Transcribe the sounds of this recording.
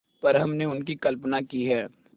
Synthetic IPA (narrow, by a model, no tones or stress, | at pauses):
pɐɾɦɐmneʊnkikɐlpnakiɦɛː